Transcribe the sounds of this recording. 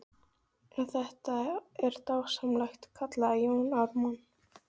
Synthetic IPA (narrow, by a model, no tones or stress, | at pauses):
ɛnθɛht̪aɛɾ̥t̪awsamlajxt̪kʰat̪laðjownavman